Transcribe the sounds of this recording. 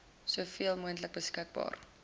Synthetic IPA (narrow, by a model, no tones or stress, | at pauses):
suəfiəlˠmuəntlək̚bəskək̚bɑ̰ːr